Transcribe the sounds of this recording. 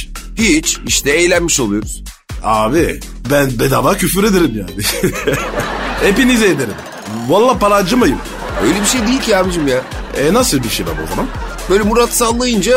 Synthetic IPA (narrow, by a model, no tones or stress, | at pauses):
hit͡ʃiʃt̪ʰɛejlʲænmiʃo̞lˠujo̞ɾuz̥ | aːbi | bænbed̪avaːcʰyfyɾe̞d̪eɾimjaːnɪ | epinized̪eɾim | valˠːapʰaɾad͡ʒɯmajɯm | øjlʲebiʃe̞jd̪ejilʲcʰʲiamɯʃɯmjaː | ɛnasɯlˠbiʃejba̰ɾo̞zamanb̥ø̞jlʲɛmuɾat̪salˠːajɯnd͡ʒa